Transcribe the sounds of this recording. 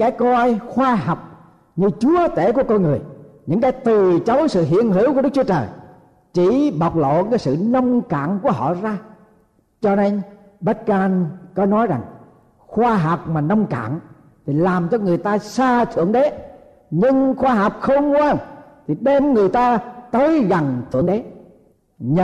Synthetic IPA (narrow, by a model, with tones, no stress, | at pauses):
kaː˨˦jkɔ˧jxwaː˧ɦa˨˩wk͡p̚ | ɲɨ˧t͡ɕu˨˦ət̪e˧˩ku˧˩əkɔ˧jŋɨ˨˩əjɲɨ̰˧˥ŋkaː˨˦jt̪ɨ˨˩t͡ɕə˨˦wsɨ̰˧˨ɦḭ˧˨ənɦi˧˥˦wkəɗk̚t͡ɕu˨˦ət͡ɕəː˨˩j | t͡ɕi˧˩˨ɓa˨˩wk͡p̚lo̰˧˨kaː˨˦jsɨ̰˧˨nə˧wŋ͡mka̰ː˧˨nku˧˩əɦɔ̰˧˨zaː˧ | t͡ɕɔ˧ne˧n | ɓə˦˥t̚kaː˧nkɔ˨˦nɔ˨˦jza˨˩ŋ | xwaː˧ɦa˨˩wk͡p̚maː˨˩nə˧wŋ͡mka̰ː˧˨n | t̪ʰi˨˩laː˨˩mt͡ɕɔ˧ŋɨ˨˩əjt̪aː˧saː˧t̪ʰɨ̰˧˨əŋɗe˨˦ | ɲɨ˧ŋxwaː˧ɦa˨˩wk͡p̚xə˧wŋ͡mkwaː˧nt̪ʰi˨˩ɗe˧mŋɨ˨˩əjt̪aː˧t̪əː˨˦jɣa˨˩ŋt̪ʰɨ̰˧˨əŋɗe˨˦ | ɲ˧